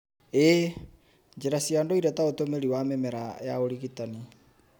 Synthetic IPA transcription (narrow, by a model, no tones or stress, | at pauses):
e | d͡ʒeɾasiandoiɾataotomeɾiwamemɛɾaja̰oɾiɣitani